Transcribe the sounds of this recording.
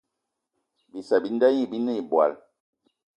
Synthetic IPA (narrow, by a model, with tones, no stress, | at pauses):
bi˨sa˨bi˦n˦da˦ɲi˦˨bi˦ne˦i˨bwa̰˨l